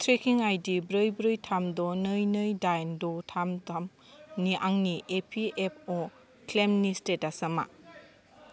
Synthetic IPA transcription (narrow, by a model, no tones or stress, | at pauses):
tʰɾekʰiŋajdibɾɯjbɾɯjtʰamdɔnɯjnɯjdajndɔtʰamtam | niʔaŋniʔepʰiep̚ʰo | klemnistetasɐma̰